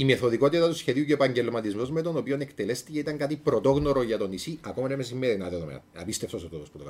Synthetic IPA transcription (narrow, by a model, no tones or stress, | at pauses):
ime̞θoðiko̞t̪it̪ɐt̪usçe̞ðiuceːpɐɲɟe̞lmɐt̪izmozme̞t̪o̞nopio̞nekt̪ele̞st̪iceit̪ɐŋkɐt̪ipɾot̪o̞ɣnoɾoʝɐt̪o̞nisiʔɐkomɐnemes̬imːeɾinɐðeðomḛɐ̰pist̪eft̪osot̪ot̪osput̪o